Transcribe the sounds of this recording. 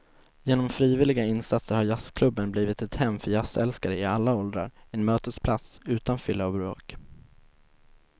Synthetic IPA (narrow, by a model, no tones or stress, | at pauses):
jeːnɔmfɾiːvɪlɪɡaɪnsat̪səɾhaɾjaskʰlɵbːənbliːvɪt̪ɛt̪hɛmːfœɾjasɛ̰lskaɾəɪalːaɔld̪ɾa̰ɾɛnmøːt̪əspʰlat̪sʉ̟ːt̪anfʏlːaːvɾo̰ːk